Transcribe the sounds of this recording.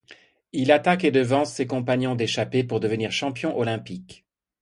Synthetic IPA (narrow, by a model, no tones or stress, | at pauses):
ilat̪aked̪əvɑ̃sːekɔ̃paɲjɔ̃d̪eʃapepuʁd̪əvəniʁʃɑ̃pjɔ̃ʔɔlɛ̃pik